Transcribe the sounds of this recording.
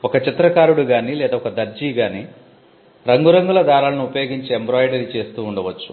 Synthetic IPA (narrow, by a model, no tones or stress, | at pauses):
ɔkɐt͡ʃit̪ɾɐkaːɾuɽuɡaːnilɛːd̪aɔkɐd̪ɐɾd͡ʒiːɡaːni | ɾɐŋɡuɾɐŋɡulɐd̪aːɾaːlɐnuupɐjo̞ːɡiɲt͡ʃiembɾaːjɖɐɾit͡ʃe̞ːst̪uːɳɖɐʋɐt͡ʃːu̥